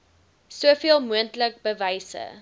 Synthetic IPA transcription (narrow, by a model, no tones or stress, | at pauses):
suəfiəlˠmuəntlək̚bəvɐjsə̰